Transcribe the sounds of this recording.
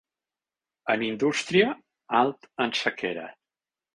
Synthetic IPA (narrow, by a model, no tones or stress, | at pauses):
ənind̪ust̪ɾiə | alˠt̪ənsəkʰeɾə̰